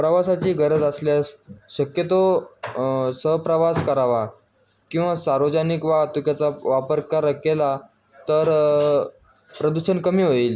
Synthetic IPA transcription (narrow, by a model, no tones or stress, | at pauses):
pɾəʋasat͡ɕiːɡəɾəd͡zəsljasɕəkjət̪o | səɦpɾəʋaskəɾaʋa | kĩw̃ʋasaɾʋəd͡ʑanikʋat̪ukjat͡saʋapəɾkaɾəkela | t̪əɾ | pɾəd̪uɕənkəmiːɦoiːl